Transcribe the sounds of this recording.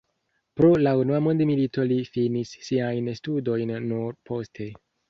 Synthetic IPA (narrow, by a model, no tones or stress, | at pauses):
pɾo̞launuamondemilito̞lifinisːiajnstudo̞jnːuɾpʰo̞stʰe̞